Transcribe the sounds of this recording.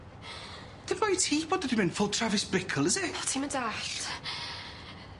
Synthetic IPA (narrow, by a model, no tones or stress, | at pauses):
d̥ɪnmajtʰiːbɔdədɪmɪ̃nfʊlˠtʰravɪsb̥ɪkʰəlˠɪzɪɔtʰiːməndaɬ